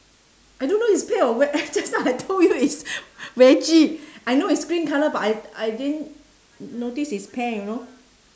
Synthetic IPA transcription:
ʔajdõnːoitspɛ̃ɔwɛd͡ʒasãajtʰoljuiswɛt͡ʃiajnoiskɹĩnkaləbataajdɛn | notisispʰɛ̃juno

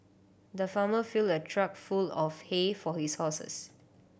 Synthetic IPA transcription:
d̪əfãməfildətʰɹakfulɔfhefɔhishɔsə̰s

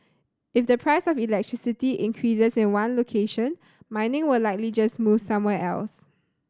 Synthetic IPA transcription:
ɪfdəpʰɹaɪsɔfilɛk̚tɹ̥ɪsɪtiʔɪ̃ŋkʰɹisəsɪ̃nwãnlokʰeʃə̃n | mãɪ̃nɪ̃ŋwɪlaɪk̚lid͡ʒasmuv̥sãmwɛʔɛ̰ls

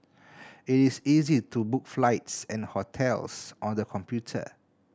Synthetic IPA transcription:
itisizitubukflaɪtsɛ̃nhotʰɛlsʔɔ̃ndəkʰɔ̃mpjutʰə̰

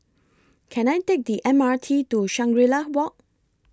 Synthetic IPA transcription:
kʰɛ̃najtek̚diʔɛ̃matʰituʃãŋɡɹilawɔʔ̚

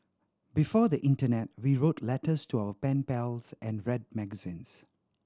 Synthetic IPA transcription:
bifɔd̪əʔɪ̃ntənɛt̚wiɹotʰlɛtəstʰuawəpɛ̃npɛlsʔɛ̃nɹɛd̚mɛɡəzĩns

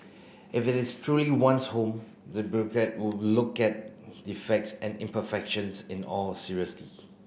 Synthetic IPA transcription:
ʔɪfɪtɪstʰɹuliwãnshõm | dəbjuɹɔkɹɛt̚wɪllʊkɛt̚difɛk̚tsɛ̃nɪ̃mpəfɛkʃə̃nsɪ̃nɔlsiɹiəslḭ

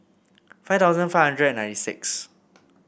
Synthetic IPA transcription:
fajft̪aʊzə̃nfaɪvhãndɹədɛ̃nãɪ̃ntisɪ̰ks

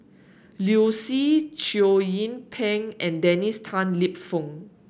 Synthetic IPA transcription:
ljusit͡ʃiojĩnpʰɛ̃ŋʔɛ̃ndɛnistʰãnlip̚fɔ̃ŋ

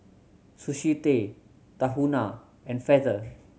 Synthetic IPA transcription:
suʃit̪e | t̪aɦuna | ɛ̃nfɛdə

